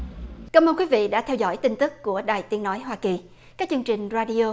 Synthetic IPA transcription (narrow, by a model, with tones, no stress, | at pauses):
kaː˨˦məː˧nkwi˨˦vḭ˧˨ɗa̰ː˧˥t̪ʰɛ˧wzɔ̰˧˩jt̪i˧ŋt̪ɨ˦˥k̚ːu˧˩əɗaː˨˩jt̪i˨˦ənɔ˨˦jɦwaː˧ki˨˩ | kaː˦˥k̚t͡ɕɨ˧əŋt͡ɕï˨˩ŋ̟zaː˧ɗi˧o˧